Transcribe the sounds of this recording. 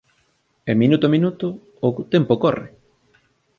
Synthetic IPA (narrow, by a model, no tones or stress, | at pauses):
eminut̪ominut̪ʊː | t̪empokɔrɪ̰